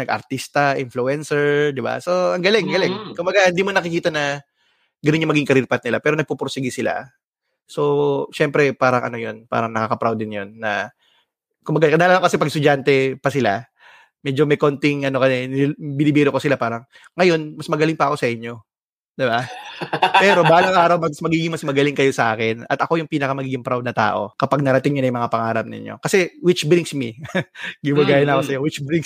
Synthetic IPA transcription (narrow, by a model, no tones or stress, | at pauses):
nɐɡʔɐ̰ɾt̪ist̪ɐʔɪnfluɛnsɛɹd̪ɪba̰so̞ɐŋɡɐlɛŋɡɐlɛŋkʊmbɐɡahɪnd̪iːmonɐkɪkiːt̪ɐnɐ | ɡɐnoɲːomɐɡiŋkɐɾiɾpɐt̪̚nɪlapɛːɾonɐɡ̚pupɾosɪɡisɪla̰ | so̞ʃɛmpɾɛpaːɾɐŋʔɐ̰no̞jo̞npa̰ːɾɐŋnɐkaːkɐpɾawd̪ɪnjonːɐ | kʊmbɐɡakɐd̪alamŋkɐsɛpɐɡst̪ʊd͡ʒant̪ɛpɐsɪla̰ | mɛd͡ʒomɐjko̞nt̪ɪŋɐno̞kɐɛnbɪnɪbiːɾokosɪlapaːɾɐŋː | ɐjo̞nmɐsmɐɡɐlɪŋpɐɐko̞sɐʔɪɲːo̞ | d̪ɪba | pɛːɾo̞balɐŋʔaːɾɐwmɐsmɐɡiːɡɪŋmɐsmɐɡɐlɪŋkɐjo̞sɐʔaːkɛnɐ̰t̪ɐko̞jʊŋpiːnɐkɐmɐɡiːɡɪŋpɾawd̪nɐt̪a̰ːʔo̞̰kɐpaɡ̚nɐɾɐt̪ɪŋɲʊnɐjmɐŋapɐŋaːɾɐmnɪ̰ɲjo̰kɐsɛwɪt͡ʃbɾiŋsmi | ɡɪwɐɡaːjɐnɐkosɐjowɪt͡ʃbɾiŋ